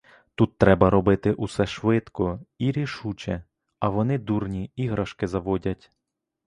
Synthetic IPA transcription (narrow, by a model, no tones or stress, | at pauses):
t̪ut̪ːɾɛbɐɾɔbɪt̪ɪʔusɛʃʋɪt̪kɔiɾʲiʃut͡ʃɛ | ɐʋɔnɪd̪urnʲiiɦɾɐʃkɪzɐʋɔdʲɐtʲ